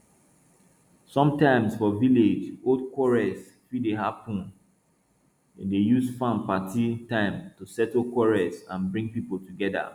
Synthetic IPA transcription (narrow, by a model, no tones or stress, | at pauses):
sɔ̃mtãɪ̃msfɔviled͡ʒodkʰwɔɹɛs | fideɦapũn | ɛ̃ndejusfãnpatʰitãɪ̃mtusɛtl̩kwɔɹɛsãnbɹĩŋpipol̩tuɡɛda̰